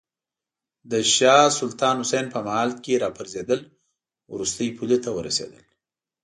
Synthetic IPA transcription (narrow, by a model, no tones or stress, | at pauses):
d̪əʃɑsʊlt̪ɑnhʊsejnpəmahɑlkeɾɑpəɾzed̪əl | wɾust̪əjpʰulet̪ʰawəɾa̰sḛd̪ə̰l